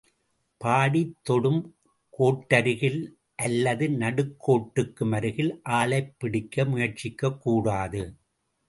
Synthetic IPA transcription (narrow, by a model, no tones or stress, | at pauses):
paːɽit̪ːɔɽɯm | koːʈːɐɾɯɣɪl | ʔɐlːɐðɯnɐɽɯkʰːoːʈːɯkːɯmɐɾɯɣɪlʔaːlɐɪpːɪɽɪkːɐmʊjɐɾt͡ʃɪkːɐkːuːɽaːðɯ